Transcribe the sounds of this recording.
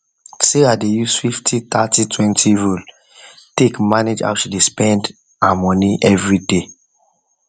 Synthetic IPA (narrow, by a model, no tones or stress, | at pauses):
seadejusfiftʰit̪atitʰwɛ̃ntʰiɹul | tekmaned͡ʒa̰wʃidespɛ̃nd | amɔniʔɛvɹide